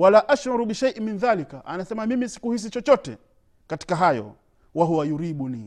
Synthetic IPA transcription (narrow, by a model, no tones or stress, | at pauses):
walaʔaʃɾaɾuɓiʃaʔiminðalikaʔanasɛmamimisi̥kuhis̬it͡ʃɔt͡ʃɔtɛ̰ | kati̥kaɦajɔ̰ | waɦuwajuɾiɓuni